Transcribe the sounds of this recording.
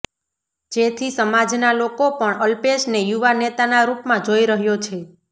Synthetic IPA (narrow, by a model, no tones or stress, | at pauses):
d͡ʒet̪ʰisəmad͡ʒnalokopəɳəlpeʃnejuʋanet̪anaɾupmãd͡ʒoiɾəɦjot͡ʃʰe